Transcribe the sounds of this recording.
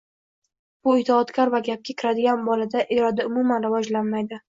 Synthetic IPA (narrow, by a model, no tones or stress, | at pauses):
b̥ʊɪt̪ʰɪɒt̪kʲaɾvaɡʲap̚kʲʰakʲʰɪɾad̪ɪɡʲanbɒlad̪aʔɪɾɒd̪aʊmʊmanɾɪvɒd͡ʒlanmajd̪ɪ